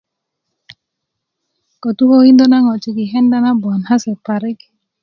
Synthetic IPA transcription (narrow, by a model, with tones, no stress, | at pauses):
ko˨t̪u˦ho˦hi˦nd̪o˦na˦ŋɔ˨t͡ʃi˨ɡi˨ɦɛ˦nda˦na˦bɔ˨nha˦sɛ˨pa˨ɾɪ˦k